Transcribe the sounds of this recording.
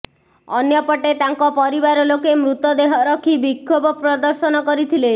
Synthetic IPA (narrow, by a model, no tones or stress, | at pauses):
ɔnjɔpɔʈet̪aŋkɔpɔɾibaɾɔlokemɾut̪ɔd̪eɦɔɾɔkʰibikʰːobɔpɾɔd̪ɔɾsɔnɔkɔɾit̪ʰile